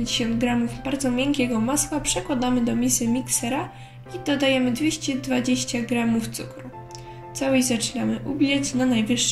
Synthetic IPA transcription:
ɲd͡ʑeɕɔnd̪̚ɡɾamuvbaɾd̪zɔmʲjɛŋkʲɛɡɔmaswapʂɛkwad̪amɘd̪ɔmʲisɘmʲiksɛɾa | id̪ɔd̪ajɛmɘd̪vʲjeɕt͡ɕɛd̪vad͡ʑeɕt͡ɕaɡɾamuft̪sṵkɾu | t̪sawɛjzat͡ʂnʲamɘʔubʲlʲɛt͡ɕnanajvɘʂː

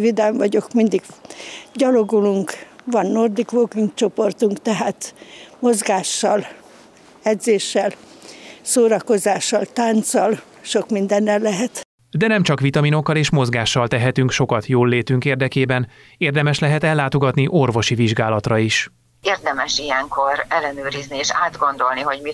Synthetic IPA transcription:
vid̪aɱvɒɟo̞kmind̪iɡɟɒlo̞ɡuluŋkʋɒnːo̞rd̪ikʋoːkiŋkt͡ʃo̞po̞rt̪uŋkt̪ɛɦaːt̪mo̞zɡaːʃːɒl | ɛd̪zeːʃːɛl | soːɾɒko̞zaːʃːɒlt̪aːnt̪sɒl | ʃo̞kmind̪ɛnːɛlːɛɦɛt̪ | d̪ɛnɛmt͡ʃɒkʋit̪ɒminokːɒleːʃmo̞zɡaːʃːɒlt̪ɛɦɛt̪yŋkʃo̞kɒt̪joːlːeːt̪yŋkeːrd̪ɛkeːbɛn | eːrd̪ɛmɛʃlɛɦɛt̪ɛlːaːt̪o̞ɡɒt̪niʔo̞rvo̞ʃiviʒɡaːlɒt̪rɒiʃ | eːrd̪ɛmɛʃijɛŋkʰoɾɛlːɛnøːɾiznieːʃaːd̪ɡo̞nd̪o̞lniɦo̞ɟmi

